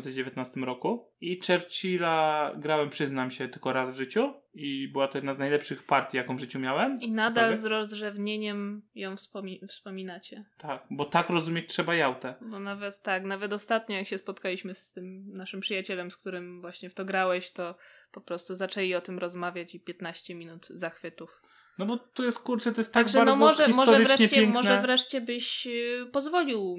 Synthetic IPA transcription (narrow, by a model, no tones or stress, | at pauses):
nsɛd͡ʑevʲjet̪nast̪ɘmɾɔkuit͡ʂɛɾt͡ɕilaɡɾawɛmpʂɘznamɕɛt̪ɘlkɔɾazvʐɘt͡ɕuibɘwat̪ɔjɛd̪naznajlɛpʂɘxpaɾt̪ʲijakɔ̃w̃vʐɘt͡ɕumʲjawɛminad̪alzɾɔzʐɛvɲeɲɛmjɔ̃w̃fspɔmʲifspɔmʲinat͡ɕɛt̪akbɔt̪akɾɔzumʲjet͡ɕtʂɛbajawt̪ɛbɔnavɛt̪ːaknavɛt̪ɔst̪at̪ɲɔjakɕɛspɔt̪kalʲiɕmɘst̪ɘmnaʂɘmpʂɨjat͡ɕɛlɛmsk̚t̪uɾɘmvwaɕɲɛft̪ɔɡɾawɛɕt̪ɔpɔpɾɔst̪uzat͡ʂɛlʲiɔt̪ɘmɾɔzmavʲjat͡ɕipʲjɛt̪naɕt͡ɕɛmʲinud̪zaxfɘt̪uf | nɔbɔt̪ːɔjɛst̪̚kuɾt͡ʂɛt̪ɔjɛst̪ːaɡɡʐɛaɾnɔmɔʐɛmɔʐɔɛɾvɾɛɲɛt͡ɕɛɛmɔʐɛvɾɛʂt͡ɕɛbɘɕpɔzvɔlʲiw